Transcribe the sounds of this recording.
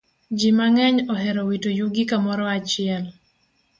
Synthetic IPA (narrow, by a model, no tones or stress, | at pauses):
d͡ʒimaŋɛɲɔɦɛɾɔwitojuɡikamɔɾɔat͡ʃɪɛl